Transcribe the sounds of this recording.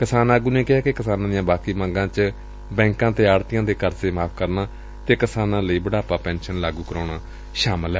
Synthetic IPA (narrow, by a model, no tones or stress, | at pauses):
kɪsaːnaːɡũːneːkɪɦaːkɪkɪsaːnãːd̪ɪjãːbaːkiːmə̃ːŋɡãːt͡ʃ | bɛ̃ːŋkãːt̪eːaːɾt̪ɪjãːd̪eːkəɾseːmaːpʰkəɾnaː | t̪eːkɪsaːnãːləiːbəɽaːpaːpɛ̃ːnʃənlaːɡuːkəɾoːɽaː | ʃaːməlɦɛː